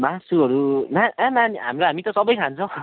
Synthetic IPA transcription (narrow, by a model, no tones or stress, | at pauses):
masuɦʌɾunaananiɦa̰mɾoɦamit̪ʌsʌbʌjkʰant͡sʰʌw̃